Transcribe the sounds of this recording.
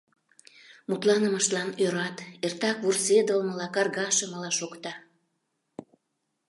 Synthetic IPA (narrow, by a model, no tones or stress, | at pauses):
mut̪lɑnəməʃt̪lɑnøɾɑt̪ert̪ɑkβursed̪əlməlɑkɑrɣɑʃəməlɑʃokt̪ɑ